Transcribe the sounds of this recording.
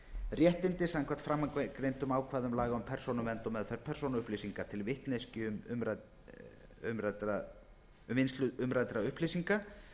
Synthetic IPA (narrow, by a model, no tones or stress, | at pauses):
rjɛht̪ɪnt̪ɪsaŋkʰvɛ̥t̪fɾamːakɾejnt̪ʏmaːwkʰvaːðʏmlaːɣaʏmpʰɛɾ̥sonʏmvɛnt̪ɔmɛðfɛɾ̥pʰɛrsownʏhplesiŋkat̪ʰɪlvɪht̪nejscɪʏmɾ | ʏmɾat̪ɾa | mvɪnst̪lʏʏmɾajt̪ɾaʏhplijsiŋka